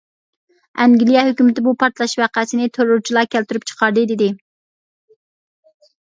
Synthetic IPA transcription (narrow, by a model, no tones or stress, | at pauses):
ɛŋɡʲilijɛhøkʲymɪt̪ɪbupʰɑɾt̪lˠɑʃvæqæsɪnɪt̪ʰøɾluɾt͡ʃʰilˠɑkʲʰælt̪yɾyp̚t͡ʃʰə̥qʰɑɾd̪ɨd̪ɪd̪ɪ